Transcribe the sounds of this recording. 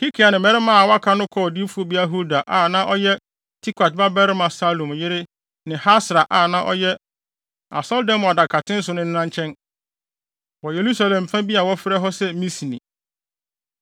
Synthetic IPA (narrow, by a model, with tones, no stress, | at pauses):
hi˦kʰi˨a˨nɪ̃˨mɛ̃˨ɾɪ˦mã˦˨wa˦kʰa˦nʊ̃˦kʰɔ˦˨di˦fu˦o˦bi˦a˦ɦu˦da˨ʔa˨nã˦ʔɔ˦jɛ˦ | tʰi˦kʰa˨t̚ba˦bɛ˦ɾɪ˦mã˨sa˦lõ˨mjɪ˦ɾɪ˦ | nɪ̃˨ha˦sɾa˨ʔa˦˨nã˦ʔɔ̰˦jɛ˦ | a̰˨sɔ˦ldɛ̃˦m˨a˨da˨kʰa˨tʰɪ̃˦n̩˦sʊ˨nʊ̃˦nɪ̃˦nã˦ɲt͡ɕʰɛ̃˦n | wɔ˨je˨ɾu˦sa˦lɛ̃˨m˨fã˦bi˦a˨wɔ˦fɪ˦ɾɛ˦ɦɔ˦sɛ˦mĩ˦si˨nḭ̃˨